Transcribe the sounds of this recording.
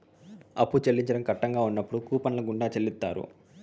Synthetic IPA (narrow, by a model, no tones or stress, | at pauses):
ɐ̰pːut͡ʃelːiɲt͡ʃɐɽɐmkɐʈːɐŋɡaːunːɐpːuɽukuːpɐnlɐɡuɳɖaːt͡ʃelːit̪ːa̰ːɾṵ